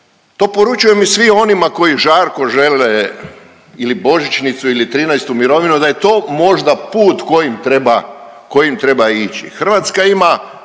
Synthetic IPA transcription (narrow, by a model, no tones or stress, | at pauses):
t̪o̞ːpo̞ɾut͡ʃujemisʋio̞nimako̞jiʒaːɾko̞ʒe̞le | ilibo̞ʒit͡ʃnit̪suilit̪ɾiːnɛjst̪umiɾo̞ʋinud̪aje̞t̪o̞ːmo̞ʒd̪apuːt̪ko̞jimt̪ɾe̞ba | ko̞jimt̪ɾe̞bait͡ʃḭxr̩ʋat̪skaima